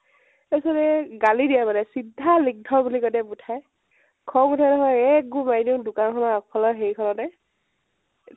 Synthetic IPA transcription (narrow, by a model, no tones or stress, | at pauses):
esɔɾɛɡalidijabadɛsidʱːalik̚dʱɔbulikɔtɛputʰaj | kʰɔputʰajnɔɦɔjɛk̚ɡumajdiʊdʊkankʰɔnaakpʰɔlɔɦeɹikʰɔlɔnɛ